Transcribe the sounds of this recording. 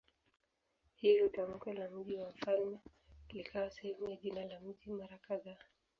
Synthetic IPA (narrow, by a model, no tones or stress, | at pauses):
hilutam̩kwɛlam̩ʄiwam̩falmɛklikʰawasɛhɛmujaʄinalam̩timaɾakaðaː